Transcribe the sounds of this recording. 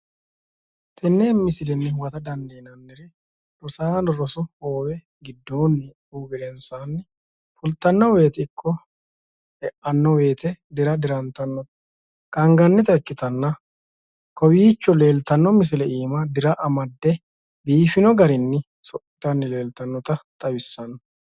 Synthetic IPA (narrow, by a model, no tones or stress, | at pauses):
t̪ʰɛnːeːmɪsɪlɛnːɛhʊwɐt̪ɐd̪ɐnd̪eːnɐnːɪɾɪ | ɾɔsaːnɾɔsʊhoːwɛ | ɡɪd̪ːo̞ːnːɪ | uːɡɪlɛnsaːnː | fʊlt̪ɐnːɔwe̞ːt̪ɪkʰʼːɔ | hɛʔɐnːɔwe̞ːt̪ɛd̪ɪɾɐd̪ɪɾɐnt̪ɐnːɔt̪ɐ̥ | kʼɐŋɡɐnːɛt̪ɐɛkːɪt̪ɐnːɐ | kʰɔwiːt͡ʃːɔle̞ːlt̪ɐnːɔmɪs̬ɪlɛʔiːmɐd̪ɪɾɐʔɐmɐd̪ːɛ | biːfɪnɔɡɐɾɪnːɪ | sɔʔɪt̪ɐnːɪle̞ːlt̪ɐnːɔt̪ɐt̪ʼɐwɪsːɐnːɐ